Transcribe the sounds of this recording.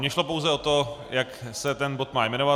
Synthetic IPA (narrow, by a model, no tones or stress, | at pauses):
ɲɛʃlo̞powzɛo̞t̪o̞jaksɛt̪ɛnbo̞t̪maːjmɛnova